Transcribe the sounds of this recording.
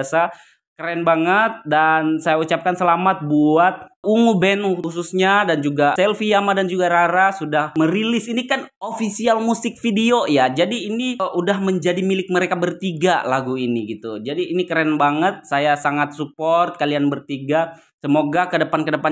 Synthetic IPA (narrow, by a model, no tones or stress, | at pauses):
asa | kəɾɛnbaŋət̪̚dansajaut͡ʃap̚kansəlamat̪̚buat̪̚uŋubɛnhususɲadand͡ʒuɡasɛlfiamadand͡ʒuɡaɾaɾasudahməɾilɪsinikanofisialmusɪk̚fideojad͡ʒadiːniʔudahməɲd͡ʒadimilɪk̚məɾekabərt̪iɡalaɡuiniɡit̪ud͡ʒadiːnikəɾɛnbaŋət̪̚sajasaŋat̪̚supɔrt̪̚kalianbərt̪iɡa | səmoɡakədəpankədəpa